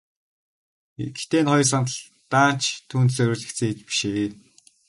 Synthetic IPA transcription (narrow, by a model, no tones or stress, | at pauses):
it̪eːnχɔj̆sant̪ə̆ɮ | t̪aːn̥t͡ɕt̪ʰːuːnt̪sœɾʲuːɮɘ̆kt͡sʰeːet͡ɕpi̥ʃeː